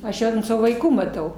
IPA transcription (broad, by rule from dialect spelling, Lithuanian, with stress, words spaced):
ɐʃ ˈjɛʊ ɐnt ˈsɑːʋoː ʋɐɪˈkuː mɐˈtɐʊ